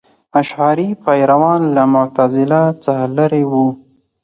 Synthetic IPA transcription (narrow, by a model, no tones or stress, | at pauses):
aʃʕɑɾipajɾawɑnlamʊt̪azɪlat͡saxalaɾewu